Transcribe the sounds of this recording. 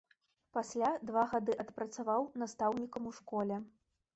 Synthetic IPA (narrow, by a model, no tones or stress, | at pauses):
pasʲlʲad̪vaɣad̪ɨʔɐt̪pɾɐt̪savawn̪ast̪awnʲikɐmuʂkɔlʲɛ